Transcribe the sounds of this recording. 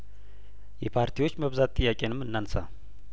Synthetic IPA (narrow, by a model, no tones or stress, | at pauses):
jɛpʰaɾt̪ʰiwo̞t͡ʃːməβzat̪ːʼɨjːakʼenɨmːɨnːansa